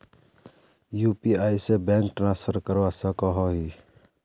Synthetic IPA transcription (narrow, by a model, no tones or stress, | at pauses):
jupiaːjsebɛ̃ŋkʈɾãnspʰəɾkəɾʋasə̃kɔɦɔɦi